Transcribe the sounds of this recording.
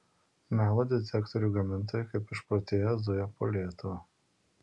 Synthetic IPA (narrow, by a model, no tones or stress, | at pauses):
mʲæːlˠod̪ʲɪsʲɛkt̪ɔɾʲuːɡɐmʲɪnˑt̪̬oːjʊkɐɪpɪʃpɾɔːt̪ʲeːjɛzʊjɛpoːlʲiɛt̪ʊʋɐ